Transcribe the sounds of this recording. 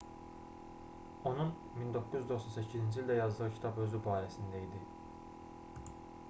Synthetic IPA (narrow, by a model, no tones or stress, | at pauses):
o̞nun | mind̪o̞kʰːuzd̪o̞χsonsæcʰizind͡ʒilʲd̪æjɑzd̪ɯʁɯcʰi̥t̪ʰɑpø̞zybɑːɾæsind̪æid̪i